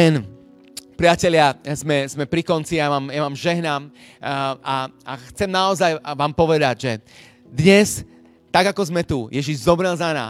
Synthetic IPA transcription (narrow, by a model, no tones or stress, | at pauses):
ɛn | pɾiacɛlɪazmɛzmɛpɾikɔnt͡sijamaːmjamaːmʒɛɦnaːm | aa̰xt͡sɛmnaɔzajʋaːmpɔʋɛd̪aɟʒɛ | d̪ɲɛs | t̪aɡakɔzmɛt̪ujɛʒiʒzɔbɾɛlzana̰ː